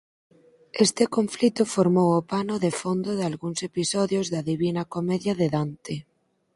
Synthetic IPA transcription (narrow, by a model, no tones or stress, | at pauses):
est̪ɪkoɱflit̪ʊfoɾmowopanʊðefond̪oðalɣuŋsepisɔðjozðɐðiβinɐkomɛðjaðeðant̪e